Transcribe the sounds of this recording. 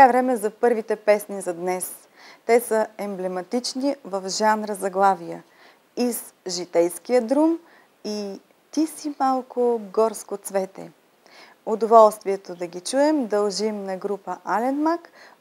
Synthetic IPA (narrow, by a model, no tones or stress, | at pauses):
avɾɛmɛzɐpɤɾvit̪ɛpɛsnizɐd̪nɛs | t̪ɛsəɛmblɛmɐt̪it͡ʃnivɐfʒanɾəzɐɡlˠavijə | iz | ʒit̪ɛjskijəd̪ɾum | i | t̪isimalˠkoɡɔɾskot̪svɛt̪ɛ̰ | od̪ovɔlˠst̪viɛt̪od̪ɐɡʲit͡ʃuɛmd̪ɐlˠʒimnɐɡɾupəʔalɛnmak